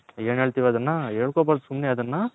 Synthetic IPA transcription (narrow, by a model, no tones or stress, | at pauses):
eːnɦeːɭt̪iːʋeɐd̪ɐnːɐeːɭkoːbaːɾd̪sumneɐd̪ɐnːɐ